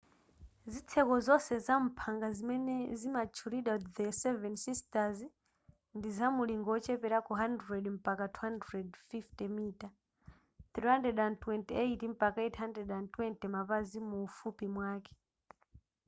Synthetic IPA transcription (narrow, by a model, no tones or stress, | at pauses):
zit͡sʰɛkɔzɔsɛzam̩pʰaŋɡazimɛnɛzimat͡ʃʰuɾiɗadɛsɛvɛnsistaz | ndizamuliŋɡɔt͡ʃɛpɛɾakɔɦandɾɛdm̩pakatʰuhandɾɛdfiftɛmita | θɾiɦandɛdantwɛntiejtim̩pakaɛtʰɦandɾɛdantwɛntɛmapazimuːfupimwaːkɛ̥